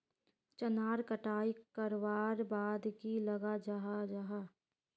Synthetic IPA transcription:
t͡ʃənaːɾkəʈaːikəɾʋaːɾbaːd̪kiləɡad͡ʒaɦad͡ʒaːɦaː

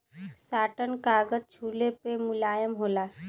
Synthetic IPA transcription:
saːʈənkaːɡət̪̚t͡ʃʰuːlepemʊlaːjəmɦoːlaː

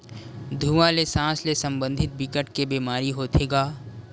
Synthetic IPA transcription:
d̪ʱuːʋãlesãːslesə̃mbə̃nd̪ʱɪt̪̚bɪkəʈkebiːmaːɾiɦoːt̪ʰeːɡaː

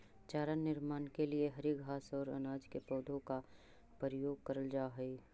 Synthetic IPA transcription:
t͡ʃaːɾənːɪɾmaːnkelieɦɐɾiɡʱaːsɔːɾɐ̰naːd͡ʒkepɔːd̪ʱõka | pəɾəjoːɡ̚kɐɾəld͡ʒaːɦɛi

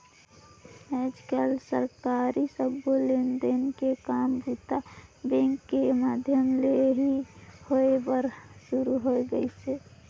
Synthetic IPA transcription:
ɛd͡ʒkəlsəɾkaɾisəbolend̪ənkekaːmbut̪abẽŋkːemaːd̪ʱjəmleɦihoebəɾsuɾuɦoeɡəise

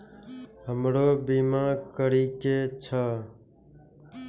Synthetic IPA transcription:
ɦəmɽoːbiːmãːkəɾiːkeːt͡ʃʰaː

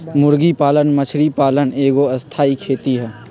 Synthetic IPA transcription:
mʊɾɡipaːlənmət͡ʃʰɾipaːləneːɡoɐst̪ʰaːikʰeːt̪iɦɛː

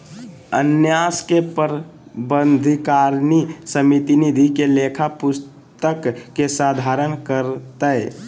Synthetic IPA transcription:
ənjaskepəɾbənd̪ʱikaɾnisəmit̪inid̪ʱikelekʰapʊs | t̪əkːesad̪ʱaɾənkəɾt̪əɛ

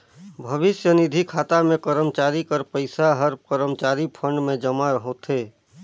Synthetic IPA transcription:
bʱəʋɪsjənɪd̪ʱikʰaːt̪amẽkəɾəmt͡ʃaːɾikəɾpəɪsaɦəɾkəɾəmt͡ʃaːɾipʰə̃ɳɖmẽd͡ʒəmaɾəɦot̪ʰɦeː

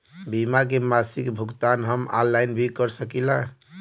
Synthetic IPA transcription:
bimak̬emasikbʱuɡt̪anɦəma̰lːajnbʱikəɾsəkila

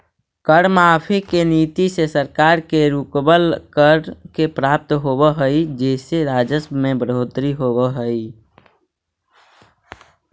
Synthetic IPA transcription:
kəɽmaːpʰikeniːt̪isesəɾkaːɾkeɾukbəlkəɽkepɾaːp̚t̪ɦoːbəɦəid͡ʒeːseɾaːd͡ʒəsmẽbɾɦot̪ɾiɦoːbəɦəi

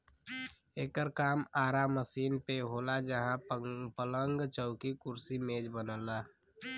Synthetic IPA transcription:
eːkəɾkaːmaːɾamːəsiːnpeɦoːlad͡ʒəɦãpələŋɡt͡ʃəʊkikʊɾsimeːd͡ʒbənəla

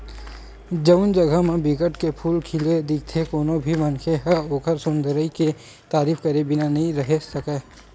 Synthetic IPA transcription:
d͡ʒəʊnd͡ʒɐɡʱəmẽbɪkəʈkepʰuːlkʰɪled̪ɪk̚t̪ʰekoːnobʱimɐnkʰeɦɐoːkəɾsʊnd̪ʱəɾəike | t̪aːɾiːfkɐɾebɪnanɐɦĩɾɐɦesɐkeː

